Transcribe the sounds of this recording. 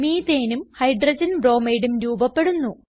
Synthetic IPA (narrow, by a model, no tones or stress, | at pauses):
miːt̪eːnumhɐjɖrɐd͡ʑɐnbro̞ːmejɽumɾuːbɐpːe̞ɽunːu